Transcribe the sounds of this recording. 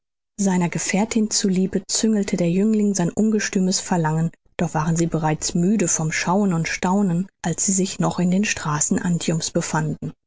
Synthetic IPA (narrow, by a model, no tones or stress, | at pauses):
zaɪnɐɡəfɛːɐtʰɪnt͡suliːbət͡sʏŋəl̩tʰədeːɐjʏŋlɪŋzaɪnʔʊnɡəʃtyːməsfɛɐlaŋən | d̥ɔχv̥aːʁənziːbəʁaɪt͡smyːdəfɔmʃaʊənʊntʃtaʊnənʔalsz̥iːzɪçnɔχɪndeːnʃtʁ̥aːsn̩ʔantʰjʊmsb̥əfandn̩